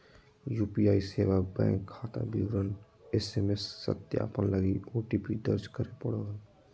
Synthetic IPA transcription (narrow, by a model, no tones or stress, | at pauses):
juːpiaːiseːʋabɛ̰̃ːŋkʰːaːt̪a̰biwɾən | eseːmesːə̰t̪ja̰pənləɡioːʈiːpid̪əɾd͡ʒkəɾepəɽəɡən